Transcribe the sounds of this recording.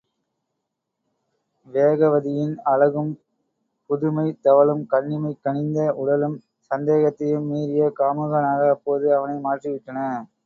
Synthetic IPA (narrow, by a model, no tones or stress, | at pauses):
ʋeːɣɐʋɐðɪjɪnɐɻɐɣɯm | pʊðʊmɐɪt̪ɐʋɐɭɯmkɐɳːɪmɐɪkːɐɳɪnd̪ɐʔʊɽɐlɯm | sɐnd̪eːɣɐt̪ːɐjɯmːiːɾɪjɐkaːmɯɣɐnaːɣɐːpːoːðɯɐʋɐnɐɪmaːʈriʋɪʈːɐnɐ